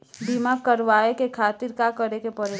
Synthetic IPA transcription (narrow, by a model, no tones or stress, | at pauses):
bimakɐɾʋaːekekʰaːt̪ɪɾkakɐɾekepɐɾe